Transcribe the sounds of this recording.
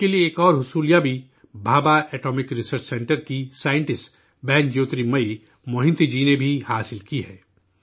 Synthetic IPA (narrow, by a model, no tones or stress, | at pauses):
kelieːkɔːɾɦʊsuːlijabʱi | bʱaːbaʔɛːʈoːmɪkɾɪsəɾt͡ʃsɛ̃ɳʈəɾkisaːɪ̃ɳʈɪsʈ | bɛːnd͡ʒoːt̪ɾimɐi | mʊɦɪ̃nt̪id͡ʒiːnebʱihaːsɪlkiɦɛː